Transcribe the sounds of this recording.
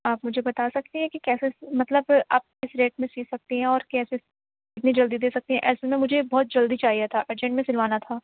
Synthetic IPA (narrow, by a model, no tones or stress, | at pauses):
aːpmʊd͡ʒʱebɐt̪asɐk̚t̪iɦɛ̃kikɛːsemɐt̪ləbaːp̚ɪsɾeːʈ̚mẽsiːsɐk̚t̪iɦɛ̃ɔːɾkɛːse | kɪt̪nid͡ʒɐld̪id̪eːsɐk̚t̪iɦɛ̃ʔɛːsmẽmʊd͡ʒʱebɔːt̪̚d͡ʒɐld̪it͡ʃaːɦijat̪ʰaʔeːɾd͡ʒɛ̃ɳʈmẽsɪlʋaːnat̪ʰaː